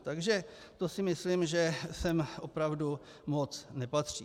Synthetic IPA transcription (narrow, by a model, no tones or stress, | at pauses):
t̪aɡʒɛ | t̪o̞sɪmɪslimʒɛsɛmʔo̞pɾavdu | mo̞t͡snɛpat̪r̝̥iː